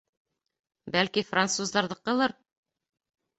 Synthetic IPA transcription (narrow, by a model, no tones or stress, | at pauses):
bælkifrant̪suzd̪ɑɾðɤqɤ̆lˠɤɾ